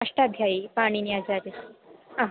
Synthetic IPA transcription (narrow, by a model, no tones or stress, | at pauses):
aʂʈad̪ʱjaipaɽ̃iniad͡ʑaɾiaɦ